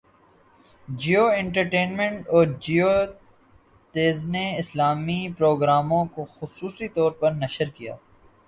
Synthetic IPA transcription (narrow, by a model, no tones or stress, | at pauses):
d͡ʒiːoːɛ̃ɳʈəɾʈeːnmɛ̃ɳʈɔːɾd͡ʒiːoː | t̪eːzneɪslaːmipɾoːɡɾaːmõkoxʊsuːsit̪ɔːɾpɐɾnɐʃəɾkija̰ː